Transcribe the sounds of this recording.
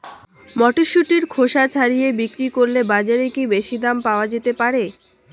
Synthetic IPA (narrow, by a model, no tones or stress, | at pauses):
mɔʈiʃːuʈiɾkʰoʃat͡ɕʰaɾijebikɾikoɾlebad͡ʑaɾekibeʃid̪ampaoad͡ʑet̪epaɾe